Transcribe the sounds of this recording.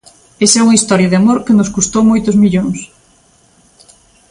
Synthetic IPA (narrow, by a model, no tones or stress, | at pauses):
esɛuŋɐist̪ɔɾjɐðɪamoɾkenoskust̪owmojt̪ʊzmiʎoŋs